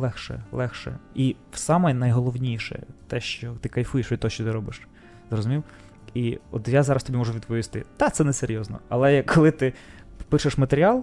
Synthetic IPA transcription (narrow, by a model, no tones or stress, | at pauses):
lˠɛxʃɛ̰lˠɛxʃɛ̰iwsɑmɛnɐjɦɔlˠɔwnʲijʃɛ̰t̪ɛʃt͡ʃɔt̪ɪkɐjfujeʃit̪ɔʃt͡ʃɔt̪ɪɾɔbɪʃ | zrɔzʊmʲiw | iɔt̪jazɑɾɐst̪ɔbʲimɔʐʊʋʲid̪pɔʋʲist̪ɪ̰d̪̥ɑt̪sɛnɛseɾʲjɔznɔ̰ɐlˠɛɐkʰːɔlˠɪt̪ɪpɪʃeʂmɐt̪eɾʲiɑlˠ